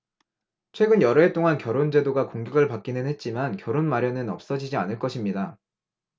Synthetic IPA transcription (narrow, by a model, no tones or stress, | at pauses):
t͡ɕʰwe̞ɡɯnjʌɾɯet͈oŋankjʌɾond͡ʑe̞doɡakoŋɡjʌɡɯɭpak͈inɯnhe̞t̚t͡ɕ͈imankjʌɾonmaɾjʌnɯnʌp̚s͈ʌd͡ʑid͡ʑia̰nɯɭk͈ʌɕʰimɲida